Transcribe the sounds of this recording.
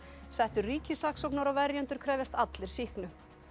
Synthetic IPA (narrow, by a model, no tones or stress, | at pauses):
sɛht̪ʏriːcɪsaksɔknaɾawvɛɾjɛnt̪ʏɾ̥kʰɾɛːvjɛst̪at̪lɪɾ̥sihknʏ